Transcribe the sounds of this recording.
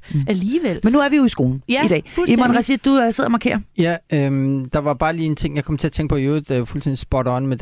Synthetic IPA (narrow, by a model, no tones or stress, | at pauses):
æliːʋel̰menːuæɐʋijo̝isɡ̥o̝̰ːln̩id̥ɛ̰ːfemmɒnʁɑsid̥d̥use̝ðˠɐmɑ̈kʰḛɐ̰jæømd̥ɑ̈ʋɑ̈b̥ɑ̈ːliːent͡sʰe̝ŋ̰jɑkɒ̽mt͡sʰe̝ɐt͡sʰeŋɡ̥pʰɒ̽jøːðˠfult͡sʰend̥i̥sb̥ɒɾɐɒnmed̥